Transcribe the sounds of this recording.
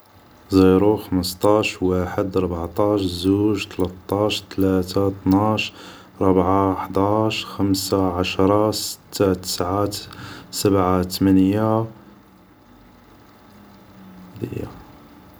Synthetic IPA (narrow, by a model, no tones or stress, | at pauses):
zˤiɾuxəməst̪ˤɑʃwaħəd̪ɾˤbʕt̪ˤɑʃzuʒt̪lət̪ˤːɑʃt̪læt̪at̪naʃ | ɾˤɑbʕaħd̪ˤɑʃxəmsaʕaʃɾˤɑsə̥t̪ʰːat̪ə̥sʕa | səbʕat̪mænja | d̪ḭja̰